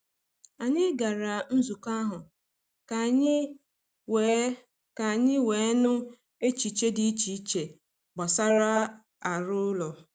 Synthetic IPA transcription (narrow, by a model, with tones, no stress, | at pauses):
a˨ɲɪ˦ɡa˨ɾa˨n̩˦zu˨ka˦ɦʊ˨ | ka˨ɲ˦ | we˨˦ | ka˨ɲɪ˦we˨˦nʊ˦ | e˦t͡ʃi˨t͡ʃe˦di˦i˦t͡ʃi˨˦t͡ʃe˨ | ɡ͡ba˨sa˦ɾa˦ | a˨ɾʊ˦lɔ˨